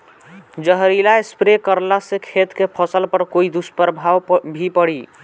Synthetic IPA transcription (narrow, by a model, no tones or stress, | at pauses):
d͡ʒəɦɾilaespɾekəɾlasekʰet̪kepʰəsəlpəɾkoid̪uspəɾbʱawbʱipəɽi